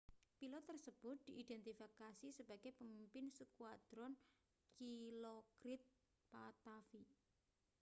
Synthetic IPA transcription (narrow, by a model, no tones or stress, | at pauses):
pilɔt̪ːərsəb̥ʊt̪̚d̪̥i̤ʔid̪̥ɛnt̪ifikasisəb̥aɡ̥epəmimpɪnsukuad̪̥ɾɔn | kilokɾɪt̪̚ | pat̪afi